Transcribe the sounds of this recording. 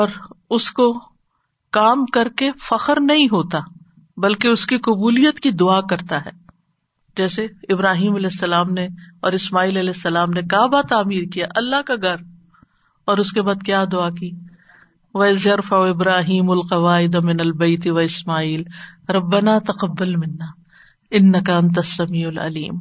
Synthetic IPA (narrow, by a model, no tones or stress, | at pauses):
ɔːɾʊsko | kaːmkɐɾkefɐxəɾnɐɦĩɦoːt̪a | bɐlkeʊskiqʊbuːlijət̪kid̪ʊakɐɾt̪aɦɛː | d͡ʒɛːseɪbɾaːɦiːmɐlɛːsːɐlaːmneɔːɾɪsmaːiːlɐlɛːsːɐlaːmnekaːbat̪aːmiːɾkijaʔɐlːaɦkaɡʱɐɾ | ɔːɾʊskebaːd̪̚kjaːd̪ʊakiː | ʋɐɪzjɐɾfɐoɪbɾaːɦiːmʊlqɐʋaːɪd̪amɪnɐlbɐɪt̪ɪʋɐɪsmaːiːlɾɐbːɐnaːt̪ɐqɐbːɐlmɪnːaː | ɪnːɐkɐɐ̃nt̪ɐsːɐmiːʊlɐ̰lḭːm